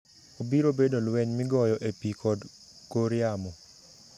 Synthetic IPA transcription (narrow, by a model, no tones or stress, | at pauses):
obiɾobedolwɛɲmɪɡɔjɔʔepikʰɔd | koɾɪamɔ